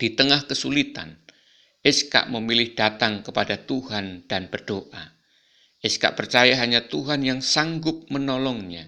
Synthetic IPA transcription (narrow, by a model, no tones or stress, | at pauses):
d̥it̪əŋahkəsulit̪a̰n | ʔɪska̰ʔməmilɪhd̥at̪aŋkəpadat̪uɦand̥anbərd̥oʔa | ʔɪska̰ʔpərt͡ʃajaɦaɲat̪uɦanjaŋsaŋɡʊp̚mənɔlɔŋɲa̰